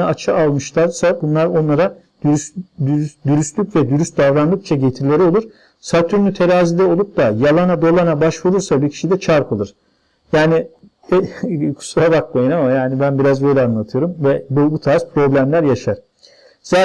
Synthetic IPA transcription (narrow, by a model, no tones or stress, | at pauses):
aat͡ʃʰaalˠmɯʃlˠaɾsabunlˠaɾo̞nlˠaɾḁ | d̪yɾyslʲycvɛd̪yɾyst̪̚d̪avɾanlˠɯk̚t͡ʃʰaɟet̪ʰiɾlʲe̞ɾio̞lˠuɾ̥ | sat̪ʰyɾnyt̪ʰe̞ɾaːzid̪ɛo̞lˠup̚d̪ajalˠanad̪o̞lˠanabaʃvuɾuɾsabiɾcʰi̥ʃid̪ɛt͡ʃʰaɾpʰɯlˠɯɾ̥ | jaːnɪ | kʰu̥sabakmajɯnamajaːnibænbiɾazbø̞jlʲɛanlˠat̪ʰɯjo̞ɾumvɛbubut̪ʰaspʰɾo̞blʲæmlʲæɾjaʃaɾ̥ | z̥a